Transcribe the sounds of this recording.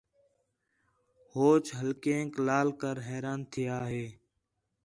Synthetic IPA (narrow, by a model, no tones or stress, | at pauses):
hoːt͡ʃɦəlkẽːklaːlkəɾɦɛːɾaːnt̪ʰɪjaːɦeː